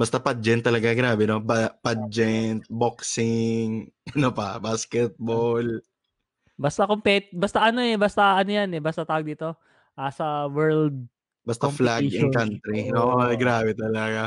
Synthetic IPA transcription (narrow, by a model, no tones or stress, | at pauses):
bɐst̪ɐpad͡ʒɛnt̪ːɐlɐɡaɡɪnaːbɛnobapad͡ʒɛnt̪̚boksɪŋʔɐnopɐbaskɛt̪̚bol | bɐst̪akompɛt̪bɐst̪aʔɐno̞ɛbɐst̪aʔɐnojanɛbɐst̪ɐt̪aːwɐɡ̚d̪iːt̪o̞ | ʔasɐwɛɹld̪̚ | bɐst̪aflaɡɪnkant̪ɾioʔɡɾaːbɛt̪ɐlɐɡa